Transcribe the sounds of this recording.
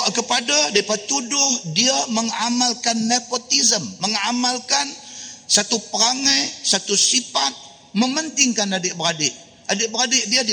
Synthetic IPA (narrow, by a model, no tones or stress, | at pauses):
aʔkəpadadaipət̪udʊhdiaməŋamalkanːepot̪izəmːəŋamalkansat̪upəɾaŋajsat̪usipat̪̚ | məmənt̪ɪŋkanadɪʔbəɾadɪʔ | adɪʔbəɾadɪʔdiad